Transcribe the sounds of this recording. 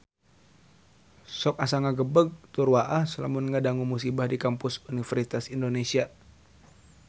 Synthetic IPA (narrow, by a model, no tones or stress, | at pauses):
sɔk̚asaŋaɡəbəɡ̚t̪urwaʔahsəla̰munŋədaŋumusibahdikampʊsunifɛrsit̪asindonesia